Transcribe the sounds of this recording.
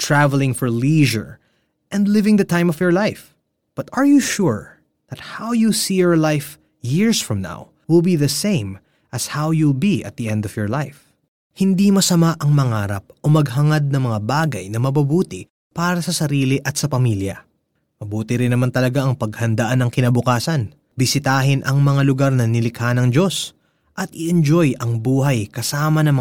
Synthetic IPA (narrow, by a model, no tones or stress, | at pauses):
t̪ɹavɛlɪ̃ŋfɔɹliʒɛ̰ɹ | ʔɛ̃nd̪lɪvɪ̃ŋðɐt̪ãj̃mɔvjɔɹlajf | b̥ɐt̪ɐɹjuʃuɹ | ðɐt̪̚hawjusijɔɹlajf | jiɹsfɹɐ̃mna̰w | wɪlˠbiðɐsẽɪ̃m | ʔɐshawjubiʔɐ̰t̪̚d̪iʔɛ̃nd̪ɔvjɔɹlajf | hɪnd̪imɐsɐmaʔɐŋmɐŋaːɾɐp̚ʔo̞mɐɡ̚ɦɐŋad̪̚nɐŋmɐŋabaːɡɐjnɐmɐbɐbuːt̪ɪ | paːɾɐsɐsɐɾiːlɪʔɐt̪̚sɐpɐmiljɐ̰ | mɐbuːt̪ɪɾɪnːɐmant̪ɐlɐɡaʔɐŋpɐɡhɐnd̪ɐʔanɐŋkɪnɐbʊkaːsɐn | bɪsɪt̪aːɦɪnʔɐŋmɐŋalʊɡaɾnɐnɪlɪkhanɐŋd͡ʒo̞s | ʔɐt̪ʔɪʔɛnd͡ʒo̞jɐŋbuːɦɐjkɐsaːmɐnɐŋmɐ